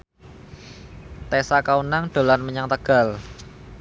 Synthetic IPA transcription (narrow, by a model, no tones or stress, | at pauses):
t̪esakaunaŋɖ̪̥o̤lanməɲaŋt̪əɡ̥a̤l